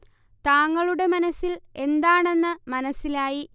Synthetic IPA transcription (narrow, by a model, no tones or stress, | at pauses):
t̪aːŋːɐɭuɽe̞mɐnɐsːile̞nd̪aːɳe̞nːɨmɐnɐsilaːji